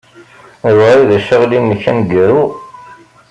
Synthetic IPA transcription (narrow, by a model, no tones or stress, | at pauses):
ðɾiðæʃːəʁlinːəçːæ̰nɡəɾu